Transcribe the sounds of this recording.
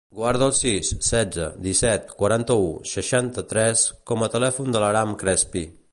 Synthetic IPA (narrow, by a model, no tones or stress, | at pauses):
ɡwaɾð̞əːlˠsisːɛd͡zə̰d̪isɛt̪kwəɾant̪əusəʃant̪ət̪ɾɛskɔmət̪əlɛfund̪ələɾamkɾɛspi